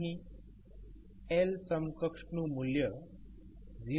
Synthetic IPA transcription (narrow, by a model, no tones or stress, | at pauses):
ɦi | elsəmkəkʂɳumuljə | d͡zi